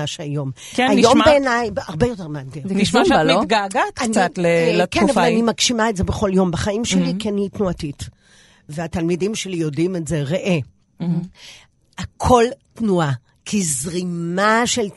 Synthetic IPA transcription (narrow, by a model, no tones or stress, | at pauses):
aʃeajo̞m | kaijo̞mbeːnajbaʁbe̞jo̞te̞ʁmadɡeiʃaaliɡaɡat̪kanat̪lekenavalanimakʃimaetze̞beχo̞ljo̞mbeχaimʃelikianitnuatit | veatalmidimʃelijo̞dimetze̞ʁeʔe | akʰo̞ltnua | kʰizʁimaʃel